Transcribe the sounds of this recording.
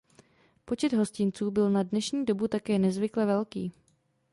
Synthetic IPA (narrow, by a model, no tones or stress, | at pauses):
po̞t͡ʃɛd̪ɦo̞scɪnt͡suːbɪlnadnɛʃɲiːdo̞but̪akɛːnɛzvɪklɛvɛlkḭː